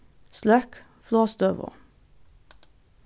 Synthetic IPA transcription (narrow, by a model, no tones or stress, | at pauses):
slœk | floːst̪øːʋə̰